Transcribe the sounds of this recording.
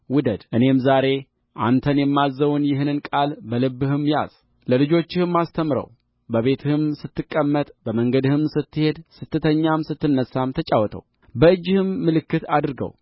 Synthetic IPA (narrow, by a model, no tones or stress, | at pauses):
wʊd̪əd̪ʔɨne̞mzaɾe̞ | ʔa̰nt̪ʰənjɛmːazːəwʊnjɪɦɨnɨnkʼalbəlɨbːɨhɨmja̰z̥ | ləlɨd͡ʒo̞t͡ʃːɪhɨmːast̪ʰəmɾə̰w | bəβe̞t̪ʰɨhɨmsɨt̪ːɨkʼːəmːət̪ʼbəməŋɡəd̪ɨhɨmsɨt̪ːɨhe̞d̪sɨt̪ʰːɨt̪ʰəɲːamsɨt̪ːɨnːəsːamt̪ʰət͡ʃʼawɔt̪ʰə̰w | bəɨd͡ʒːɪhɨmːɨlɨkːɨt̪ad̪ɨɾɡə̰w